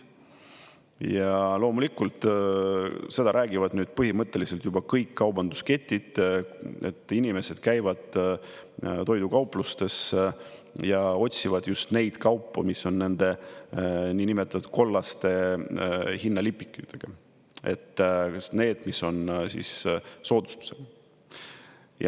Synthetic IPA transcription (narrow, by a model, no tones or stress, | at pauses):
jɑlo̞ːmulikːˑult̪ˑ | se̞d̪̥ɑɾʔæːɡ̥ivɑd̪nyːd̪̥pɤɦimɤt̪ːˑe̞liselt̪jubɑkɤjkːɑwbɑnd̪uske̞t̪ʲːid̪̥ | e̞t̪ːˑinime̞se̞d̪̥kæjvɑd̪̥ | t̪o̞jd̪̥ukɑwplust̪e̞s | jɑo̞t̪ʲsivɑd̪̥just̪ne̞jd̪̥kɑwpːumisːo̞nːe̞nd̪̥e̞ | niːnimet̪ːˑɑt̪u̥ut̪̚ko̞lːɑst̪e̞ | hinːɑlipˑːi̥kːˑyt̪eɡ̥ɑ | e̞̰t̪ːne̞ːd̪̥misːo̞nsḭsso̞ːd̪̥u̥st̪u̥se̞ɡ̥ɑ | jɑ̰